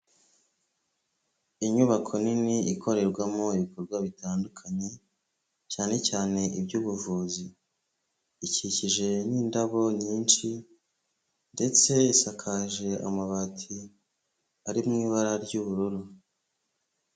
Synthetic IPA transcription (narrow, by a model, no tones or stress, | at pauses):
iɲuβakʰo̞niniikʰo̞ɾe̞ɾɡwamoiβikʰo̞ɾɡwaβitaːndukʰaɲe̞ | caːne̞caːne̞ibɟuːβuvuːzi | ciciʒe̞niːndaβo̞ɲiːnt͡ʃi | nde̞t͡se̞isakʰaʒe̞a̰maβatʰi | aɾimŋiːβaɾaɾɟuβuɾuɾu